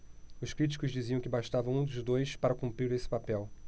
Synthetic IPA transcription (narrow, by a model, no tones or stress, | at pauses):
ʊʃkɾit͡ʃi̥kʊʒd͡ʒiziɐ̃w̃kɪbaʃt̪avɐ̃w̃ũd̪ʊzd̪ojspaɾɐkũmpɾiɾesɪ̥papɛw